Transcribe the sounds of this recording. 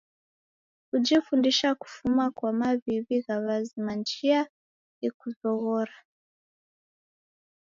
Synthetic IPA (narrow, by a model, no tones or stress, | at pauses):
kud͡ʒifundiʃaku̥fumakwamaβiβiɣaβazimand͡ʒia | ikuzɔɣɔɾa